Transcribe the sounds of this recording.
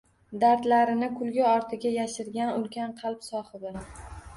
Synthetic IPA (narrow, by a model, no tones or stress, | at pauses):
d̪aɾt̪laɾɪnɪkʰʊlɡʲaɒɾt̪ʰɪɡʲajaʃɪɾɡʲanʊlˠkʲʰanqʰɑlˠpsɒχɨd̪ɪ